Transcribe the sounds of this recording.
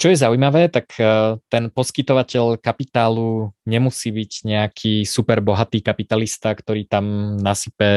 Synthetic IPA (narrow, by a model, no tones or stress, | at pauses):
t͡ʃɔjɛzaujmaʋɛːt̪akt̪ɛnpɔskit̪ɔʋacɛʎkapit̪aːluɲɛmusiːbiɟɲɛakʰiːsupɛɾbɔɦat̪iːkapit̪alist̪akt̪ɔɾiːt̪amnasipɛ